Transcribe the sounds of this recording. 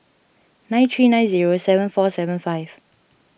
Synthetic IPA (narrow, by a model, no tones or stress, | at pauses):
nãɪ̃ntʰɹiːnãɪ̃nziːɹosɛvə̃nfɔːsɛvə̃nfaɪv̥